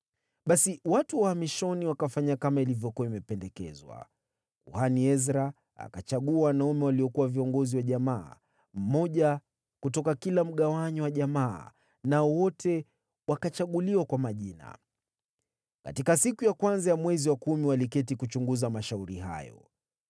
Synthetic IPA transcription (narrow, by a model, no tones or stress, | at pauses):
ɓasiwatuwahamiʃɔniwakafaɲakamailivjɔkuwaimɛpɛndɛkɛzwa̰ | uhaniɛzɾa | a̰kat͡ʃaɠuawanaumɛwaliɔkuwaviɔŋɡɔziwaʄamaː | m̩mɔʄa | kutɔkakilam̩ɠawaɲɔwaʄamaː | naɔwɔtʰɛ | wakat͡ʃaɠuliwakwamaʄina̰ | ka̰tikasikujakwanzajamwɛziwakumiwalikɛtikut͡ʃuŋɡuzamaʃauɾiɦa̰jɔ̰